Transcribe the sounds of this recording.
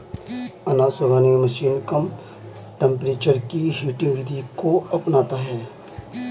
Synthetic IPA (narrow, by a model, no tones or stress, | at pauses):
ɐnasʊɾaːneməʃiːnkəm | ʈɛ̃mpɾeːt͡ʃəɾkiɦjuːʈɪ̃ŋɡʋɪd̪ʱikoɐpnaːt̪aɦɛː